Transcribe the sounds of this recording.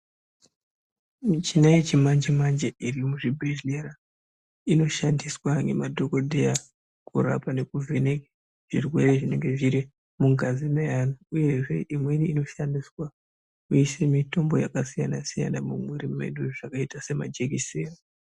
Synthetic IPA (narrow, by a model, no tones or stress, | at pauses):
mit͡ʃinajet͡ʃimand͡ʒimand͡ʒeirimuʐibʱeʒleɾa | ino̞ʃandiswaŋɡe̞̰madʱo̞ko̞dʱeja | kuɾa̰pane̞kuvenek | ʐ̥irwe̞re̞ʐine̞ŋɡe̞ʐiɾi | muɡʱazimeɦanuuje̞ʐe̞̰ʔimwe̞ɾiːno̞ʃandiswa | kujisemito̞mbo̞jakasijanasija̰namumweɾie̞̰ɗuʐ̥akaitase̞ma̰d͡ʒekisera